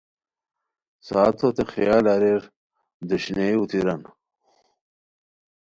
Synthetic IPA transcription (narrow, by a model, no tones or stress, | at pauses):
saːt̪ʰot̪exijaːlaɾeɾ | d̪uɕneut̪iɾɐn